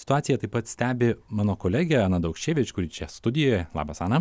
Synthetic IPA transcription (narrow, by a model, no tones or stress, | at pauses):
sʲɪ̥t̪ʊɑːt̪ʲɪjɛt̪ɐɪpɐt̪sʲt̪ʲæːbʲɪmɑːnoːkoːlʲæɡʲɛɑːnɐd̪ɐʊkʃʲt͡ʃʲeːʋʲet͡ʃʲkʊɾʲit͡ʃʲɛst̪ʊd̪ʲɪjoːjɛlˠɑ̰ːbɐsɑːnɐ